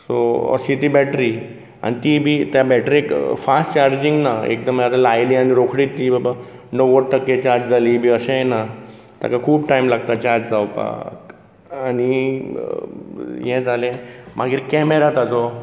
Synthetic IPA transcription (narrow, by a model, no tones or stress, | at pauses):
soə̰ɕit̪iːbɛʈɾi | a̰nit̪ibʱit̪jabɛʈɾikfasʈt͡ɕaɾd͡ʑiŋɡnaḛk̚d̪əmjaɾalajlianiɾokʰɽiːt̪ːibaba | noʋəʈ̚t̪əkːẽt͡ɕaɾd͡ʑd͡zʱalibʱiːəɕẽjna | t̪ja̰kakʰuːpʈajmlaɡt̪at͡ɕaɾd͡ʑd͡zawpa̰k | ani | jɛ̃d͡zalẽmʔaɡiːɾkɛmeɾat̪ad͡zɔ